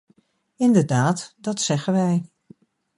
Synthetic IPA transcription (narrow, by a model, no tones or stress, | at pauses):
ɪndəɹdaːtdɑtsɛɣənʋɛj